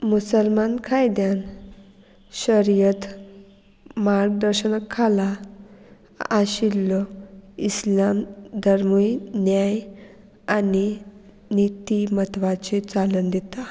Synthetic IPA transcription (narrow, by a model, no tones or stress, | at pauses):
musəlmankʰajd̪jan | ɕəɾijət̪ | maɾɡ̚d̪əɾɕənəkʰːala | aɕilːɔislamd̪ʱəɾmujnjaj | ani | nit̪imət̪ʋat͡ɕet͡salənd̪it̪a